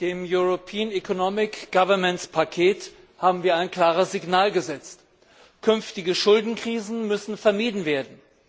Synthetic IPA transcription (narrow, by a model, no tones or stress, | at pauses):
d̥eːmjuʁopʰiːənɛkʰonɔmɪkɡ̥avɐmɛntspʰakʰeːt | haːbm̩viːɐaɪnkl̥aːʁ̞əsz̥ɪɡnaːlɡəzɛt͡st | kʰʏnftɪɡəʃʊldn̩kʁ̥iːzn̩mʏsn̩fɛɐmiːdn̩veːɐdn̩